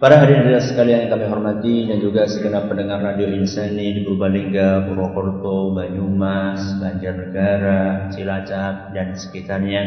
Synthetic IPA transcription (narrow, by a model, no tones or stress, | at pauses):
paɾaɦaɾiaɾiɾasəkaliaŋkamiɦɔrmat̪idand͡ʒuɡasəɡənapːəndəŋarːadioinsənidikəɾubaliŋɡabuɾwɔkɔrt̪obaɲumasbaɲd͡ʒarnəɡaɾat͡ʃilat͡ʃap̚dansə̥kit̪arɲa